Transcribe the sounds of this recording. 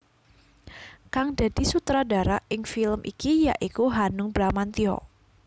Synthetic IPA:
kaŋd̥a̤d̥i̤sut̪ɾadaɾaʔɪŋfiləmʔḭkijaʔikuɦanʊŋbɾamant̪iɔ̰

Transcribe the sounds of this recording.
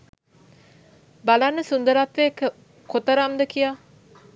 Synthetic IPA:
balanːəsund̪əɾat̪ʋekə | kot̪əɾamd̪əkija

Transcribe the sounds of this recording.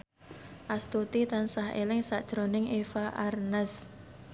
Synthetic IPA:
ʔast̪ut̪it̪ansahḛlɪŋsaʔd̥ʒ̥ɾonɪŋʔefaʔarnəs

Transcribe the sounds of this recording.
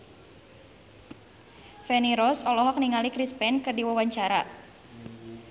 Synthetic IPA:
fɛniɾɔsɔlɔɦɔk̚niŋalikɾispɛnkɨrdiwawaɲt͡ʃaɾa

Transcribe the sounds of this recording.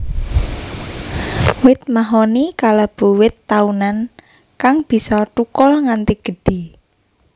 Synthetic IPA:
wɪt̪̚maɦonikalab̥ṳwɪt̪ːaunan | kaŋb̥i̤sɔʈukɔlŋant̪iɡ̥ə̤ɖ̥i̤

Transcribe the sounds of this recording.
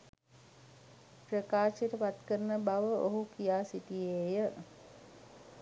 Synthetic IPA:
pɾəkaːʃeʈəpat̪kəɾənəbaʋəʔoɦukijaːsit̪ijeːjə

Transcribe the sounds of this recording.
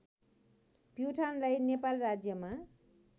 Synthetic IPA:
pjuʈʰanlajnepalrad͡zjʌma

